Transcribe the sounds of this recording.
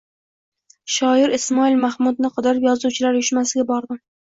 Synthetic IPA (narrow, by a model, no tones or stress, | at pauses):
ʃɒɪɾɪsmɒilmahmʊd̪̚nɪqʰɑd̪ɪɾɪpjɒzuwt͡ʃʰɪlaɾjʊʃmasɪɡʲabɒɾd̪ɪm